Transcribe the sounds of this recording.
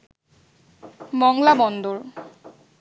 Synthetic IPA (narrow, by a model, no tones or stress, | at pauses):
bɔŋlabɔnd̪oɹ